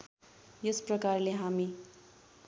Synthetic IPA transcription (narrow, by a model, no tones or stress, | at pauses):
jʌsprʌkarleɦami